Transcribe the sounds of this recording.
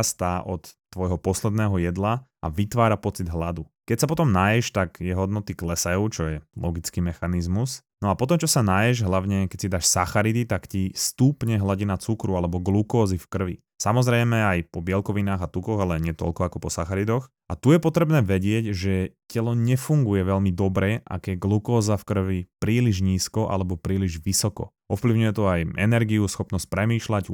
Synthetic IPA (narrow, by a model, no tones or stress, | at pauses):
ast̪aːʔɔt̪ːʋɔjɦɔpɔslɛd̪nɛːɦɔjɛd̪laʔa̰ʋit̪ʋaːɾapɔt͡sid̪ɦlad̪ukɛcsapɔt̪ɔmnajɛʃt̪aɡjɛɦɔd̪nɔt̪iklɛsajut͡ʃɔjɛlɔɡit͡skimɛxanizmusnɔapɔt̪ɔmt͡ʃɔsanajɛʒɦlaʊɲɛkɛc̚sid̪aːʃsaxaɾid̪it̪akcist̪uːpɲɛɦlaɟinat͡sukɾualɛbɔɡlukɔːzifkr̩ʋḭ | samɔzɾɛjmɛajpɔbɪɛlkɔʋinaːɣat̪ukɔɣalɛɲɪɛt̪ɔ̰lkɔakɔpɔsaxaɾid̪ɔx | at̪ujɛpɔt̪ɾɛbnɛːʋɛɟɪɛɟʒɛcɛlɔɲɛfuŋɡujɛʋɛʎmid̪ɔbɾɛʔa̰kjɛɡlukɔːzafkr̩ʋipɾiːliʒɲiːskɔʔa̰lɛbɔpɾiːliʒʋisɔkɔ̰ | ɔfpliʊɲujɛt̪ɔajɛ̰nɛɾɡiusxɔpnɔsc̚pɾɛmiːʃlaɟ